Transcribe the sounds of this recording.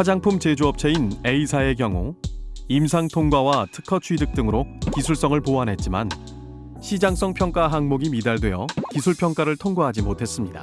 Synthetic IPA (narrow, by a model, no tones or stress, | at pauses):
kad͡ʑaŋpʰumt͡ɕe̞d͡ʑuʌp̚t͡ɕʰe̞ine̞isʰae̞k̬jʌŋo̰imsʰaŋtʰoŋɡwawatʰɯ̥kʰʌt͡ɕʰuidɯk̚t͈ɯŋɯɾokisʰuɭs͈ʌŋɯɭpoanɦe̞t̚t͡ɕ͈ima̰n | ɕʰid͡ʑaŋs͈ʌŋpʰjʌŋk͈aɦaŋmoɡimidaɭdwe̞jʌkisʰuɭpʰjʌŋk͈aɾɯɭtʰoŋɡwaɦad͡ʑimotʰe̞s͈ɯmɲida̰